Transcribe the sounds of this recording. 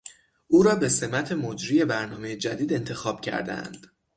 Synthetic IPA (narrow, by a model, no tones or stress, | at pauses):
ʔuːɾɒːbe̞se̞mæt̪ʰe̞mod͡ʒɾiːje̞bæɾnɒːme̞jed͡ʒæd̪iːd̪e̞nt̪ʰe̞xɒːb̥̚cʰæ̰ɾd̪æ̰nd̪̥